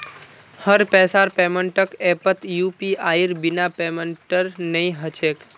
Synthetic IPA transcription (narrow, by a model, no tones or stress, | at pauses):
həɾpɛsaɾpɛməɳʈəkɛpət̪jupiaiɾbinapeməɳʈəɾnəĩɦət͡ʃʰek